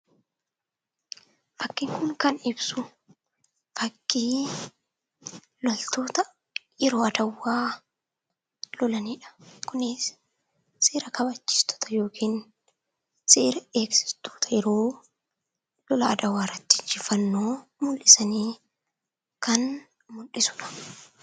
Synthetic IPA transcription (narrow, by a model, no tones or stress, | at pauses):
fɐkːɪŋkʊŋkɐnɪbsʊ | fɐkːiː | lɔlt̪o̞ːt̪ɐ | jɛɾo̞ːɐd̪ɐwːaː | lɔlɐniːᶑɐ̥kʊnɪsː | eːɾɐkɐbɐt͡ʃːi̥ːst̪ɔ̥t̪ɐ̥jo̞ːkʰiːn | seːɾɐeːksɪ̥st̪o̥ːt̪ʰɐjɛɾo̞ː | lɔlɐːd̪ɐwːaːɪrːɐt̪ːi̥nd͡ʒɪfːɐnːo̞ːmʊlʔɪsɐniː | kɐn | mʊnᶑɪsʊ̥ᶑɐ̥